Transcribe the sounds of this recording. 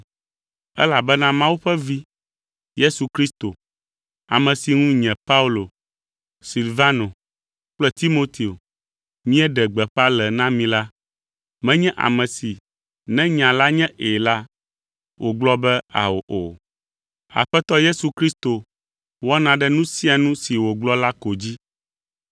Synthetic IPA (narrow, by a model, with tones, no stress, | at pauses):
ɛ̰˦la˨bɛ˦nã˦mã˦wu˦ɸɛ˦vi˦ | je˦su˨kɾi˦st̪o˨ | a̰˨mɛ̃˨si˨ŋũ˦ɲɛ̃˨pa˦u˦lo˨ | si˨lva˦no˨ | k͡plɛ˦t̪i˦mo˦t̪i˨o˨ | mĩ˦ɛ˦ɖɛ˨ɡ͡bɛ˨ɸa˦lɛ˨nã˦mĩ˦la˦ | mɛ̃˦ɲɛ̃˦ʔa̰˨mɛ̃˨si˨ | nɛ̃˦ɲã˨la˦ɲɛ̃˦ʔe˨la˦ | wʔo˨ɡ͡blɔ˦bɛ˦a̰˨wo˨ʔo˨ | a̰˨ɸɛ˦t̪ɔ˦je˦su˨kɾi˦st̪o˨ | wɔ˦nã˨ɖɛ˦nũ˦si˦a˨nũ˦si˨wo˨ɡ͡blɔ˦la˦ko˨d͡ʑi˦